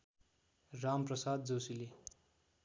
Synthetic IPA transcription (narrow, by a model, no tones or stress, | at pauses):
ramprʌsad̪̚d͡zʌwsile